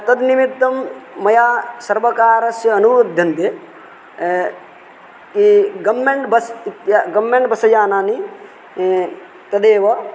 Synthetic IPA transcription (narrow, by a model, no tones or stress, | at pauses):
t̪ɐd̪nimit̪ːɐmːɐjaːsɐɾʋɐkaːɾɐsjɐːnud̪ʱjɐnt̪e | kiɡɐmːeɳʈbɐsit̪jaɡɐmːeɳʈbɐsɐd͡ʒaːnaːni | t̪ɐd̪eːʋɐ